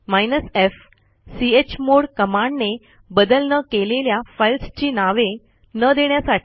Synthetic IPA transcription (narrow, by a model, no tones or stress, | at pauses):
majnəsef | siet͡ɕmoɽkəmaɳɖne | bəd̪əlnəkeleljafajlst͡ɕiːnaʋe | nəd̪eɳjasaʈʰi̥